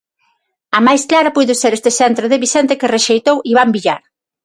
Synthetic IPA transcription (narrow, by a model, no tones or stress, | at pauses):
amajsklaɾɐpujðoseɾest̪esɛnt̪ɾoðeβisɛnt̪ekereʃejt̪owiβ̞ambiʎaɾ